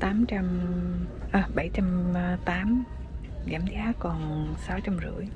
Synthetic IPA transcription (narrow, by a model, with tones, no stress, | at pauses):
t̪aː˨˦mt͡ɕa˧m | ʔə˨˩ɓə˧˩jt͡ɕa˧mt̪aː˨˦m | zaː˧˩mzaː˨˦kɔ˨˩nsa˨˦wt͡ɕa˧mzɨ̰˧˩əj